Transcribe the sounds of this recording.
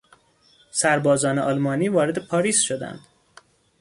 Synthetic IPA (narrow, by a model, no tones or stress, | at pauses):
sæɾbɒːzɒːneʔɒlmɒːniːvɒːɾe̞d̪e̞pʰɒːɾiːsʃod̪æ̰nd̪̥